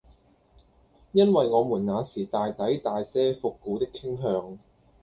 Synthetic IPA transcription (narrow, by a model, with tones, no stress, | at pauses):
jɐ˥nwɐ˨jŋɔː˨˧muː˨˩nŋaː˨˧siː˨˩t̪aː˨jt̪ɐ˨˥jt̪aː˨jsɛː˥fʊ˨kːuː˨˥t̪ɪ˥kʰːɪ˥ŋɦœː˧ŋ